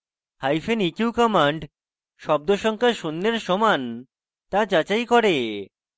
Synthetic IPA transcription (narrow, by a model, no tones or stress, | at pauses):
hajfenikiukɔmaɳɖ | ʃɔb̚d̪oʃɔŋkaʃunːeɾʃɔman | t̪ad͡ʑat͡ɕajkɔɾe